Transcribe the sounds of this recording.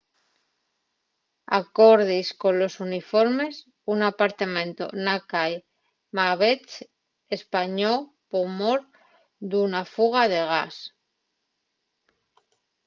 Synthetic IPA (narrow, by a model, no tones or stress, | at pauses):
a̰ko̞ɾðisko̞nlo̞sunifo̞ɾme̞s | unapaɾt̪amẽ̞nt̪o̞̰nakaj | maβet͡ʃ | e̞spaɲo | pomoɾ | d̪unafuɣ̞aðe̞ɣ̞as